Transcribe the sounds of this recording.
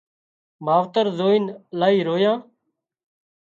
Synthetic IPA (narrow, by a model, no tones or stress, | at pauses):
maːʋt̪əɾzoːinlaːiːɾoːjãː